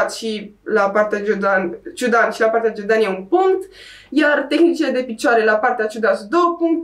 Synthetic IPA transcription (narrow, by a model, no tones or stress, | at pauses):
t̪ʃilapaɾt̪ad͡ʒud̪ant͡ʃud̪anʃilapaɾt̪ead͡ʒud̪aniaunpuŋt̪ | jart̪exnit͡ʃiled̪epit͡ʃaɾelapart̪eat͡ʃud̪asd̪opuŋk̪